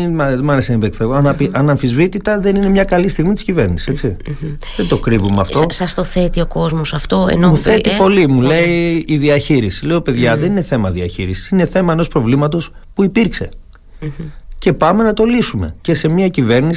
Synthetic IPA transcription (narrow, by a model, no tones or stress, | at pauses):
mɐðemɐneseimbekfevoɐnɐfiʔɐnɐɱfizvit̪it̪ɐðe̞nine̞mɲɐkɐlist̪iɣmit̪i̥scive̞ɾnisi̥set͡si | ðet̪o̞kɾivumeɐ̰ftt̪o̞ɐst̪oθet̪io̞ko̞zmosɐft̪oḛnomuθe̞t̪ippo̞limuleiːðiɐçiɾisileope̞ðʝɐðe̞nine̞θe̞mɐðiɐçiɾisi̥sine̞θe̞mɐeno̞spɾo̞vlimɐt̪o̞spuipiɾkse̞ | ce̞pɐme̞nɐt̪o̞lisume̞̰ce̞se̞miɐcive̞ɾnis